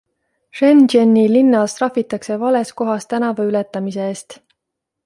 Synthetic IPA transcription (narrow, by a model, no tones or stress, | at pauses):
ʃend͡ʒenːilinːɑlst̪rɑfit̪ːˑɑkse̞vɑle̞sko̞ɦɑst̪ænɑvɑylet̪ːˑɑmiseeːst̪